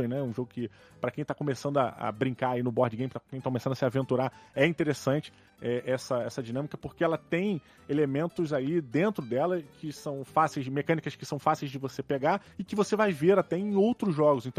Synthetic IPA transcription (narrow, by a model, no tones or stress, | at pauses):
ẽj̃nɛũʒoɡʊkɪ | pɾɐkẽj̃t̪akomesɐ̃nd̪ʊaʔɐ̰bɾĩŋkaɾainʊbɔɾd͡ʒɪɡẽj̃mpɾɐkẽt̪akomesɐ̃nd̪ʊɐsɪavẽnt̪uɾaɛĩnt̪eɾesɐ̃nt͡ʃɪ̥ | ɛʔɛsɐɛsɐd͡ʒinɐ̃mikɐpoɾkeɛlɐt̪ẽj̃ | elemẽnt̪ʊzalid̪ẽnt̪ɾʊd̪ɛlɐkʰɪsɐ̃w̃fasejzmekɐ̃nikɐskɪ̥sɐ̃w̃fasejzd͡ʒɪvosepeɡaɪkɪvosevajveɾat̪ɛẽj̃owt̪ɾʊzʒɔɡʊzẽnt̪ɐ̃